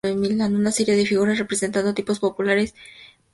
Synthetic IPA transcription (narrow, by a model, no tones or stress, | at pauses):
emilanunase̞ɾje̞ðe̞fiɣ̞uɾasre̞pɾese̞nt̪and̪ot̪ipo̞spo̞pulaɾe̞s